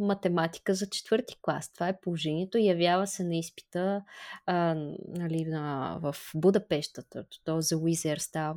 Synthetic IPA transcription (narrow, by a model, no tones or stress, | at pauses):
mɐt̪ɛmat̪i̥kəzɐt͡ʃɛ̥t̪vɤɾt̪i̥klˠa̰st̪ovaɛpolˠoʒɛniɛt̪oijɐvʲjavəsɛnɐispi̥t̪ə | nɐlinɐvəfbud̪ɐpɛʃt̪ət̪t̪ɔzɐwizɛɾst̪av